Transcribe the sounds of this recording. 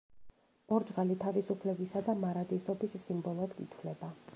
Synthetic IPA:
ɔɾd͡ʒʁalit̪ʰavisupʰlɛbisad̪amaɾad̪isɔbisːimbɔlˠɔɛd̪ɡit̪ʰvlɛba

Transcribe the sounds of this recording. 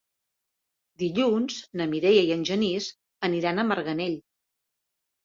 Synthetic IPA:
d̪iʎunznəmiɾejəiənʲʒəniz | əniɾanəməɾɣəneʎ

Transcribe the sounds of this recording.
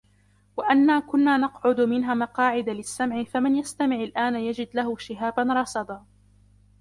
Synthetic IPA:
waʔanːaːkʊnːaːnɑqʕʊd̪mɪnɦaːmɑqɑːʕɪd̪alɪsːamʕɪfamɪnjast̪amɪʕalʔaːnjad͡ʒɪd̪laɦʊʃɪɦaːbanɾˤɑsɑd̪ˤɑː

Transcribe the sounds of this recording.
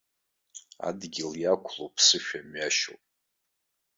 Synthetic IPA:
a̰dɡʲɪljakʷʰlopʰsɨʃᶣamɥaʃo̰wpʼ

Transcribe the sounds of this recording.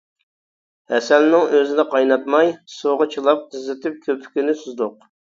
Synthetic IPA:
hɛsɛlnɪŋøzɪnɪqʰɑjnɑt̪mɑjsoʁɑt͡ʃʰilˠɑp̚qɨzːɪt̪ʰɪp̚kʲʰøpʰy̥kʲinɪsuzd̪ʊq̚

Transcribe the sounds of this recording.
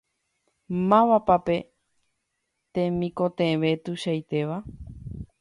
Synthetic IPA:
mãʋapape̞ | t̪ẽ̞mĩkot̪ẽʋe̞t̪uʃajt̪e̞ʋa

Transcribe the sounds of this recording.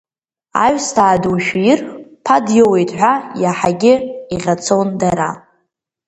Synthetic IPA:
a̰ɥʷᶣstʰaːduwʃᶣjɪrpʰadjowejtʰʼħʷᶣajaħaɡʲɪiʁʲat͡sʰondaɾa

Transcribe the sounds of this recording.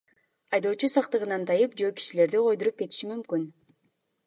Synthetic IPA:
ɑjd̪o̞ːt͡ʃusɑqt̪ɯʁɯnɑnt̪ʰɑjɯpd͡ʒoøːki̥ʃile̞ɾd̪iqʰo̞jd̪uɾup̚ke̞t̪i̥ʃimymkyn

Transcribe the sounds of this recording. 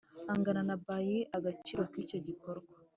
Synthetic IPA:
aŋɡananabajiʔaɡat͡ʃiɾokico̞ɟiko̞ɾɡwa

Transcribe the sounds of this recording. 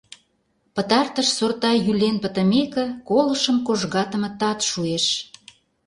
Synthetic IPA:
pə̆t̪ɑrt̪əʃsort̪ɑjylenpə̆t̪ə̆mekə̆kolə̆ʃəmkoʒɣɑt̪ə̆mə̆t̪ɑt̪ʃueʃ

